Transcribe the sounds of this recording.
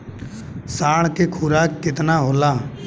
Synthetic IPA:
saːɳ̃kekʰuːɾaːkːɪt̪naːɦoːlaː

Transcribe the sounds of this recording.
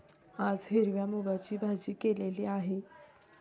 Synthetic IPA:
ad͡zɦeɾʋjamubat͡ɕiːbʱad͡ʑiːkeleliːaɦe

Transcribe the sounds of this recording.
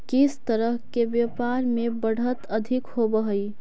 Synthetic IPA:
kɪst̪əɾəɦkeʋjəpaɾmẽbəɽ̤ət̪əd̪ʱɪkhobəɦəi

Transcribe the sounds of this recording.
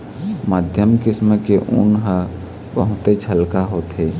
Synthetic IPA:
maːd̪ʱjəmkɪsməkeʔʊ̰nɦə | bəɦʊt̪et͡ʃʰəlkaɦoːt̪ɦeː

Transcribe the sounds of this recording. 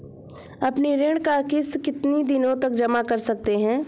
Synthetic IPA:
ɐpniɾeɽ̃kakɪskɪt̪nid̪ɪnõt̪ɐk̚d͡ʒɐmakɐɾsɐk̚t̪eɦɛ̃ː

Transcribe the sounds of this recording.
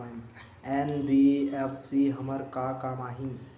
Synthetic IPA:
n | enbiepʰsiɦəməɾkakamaɦin

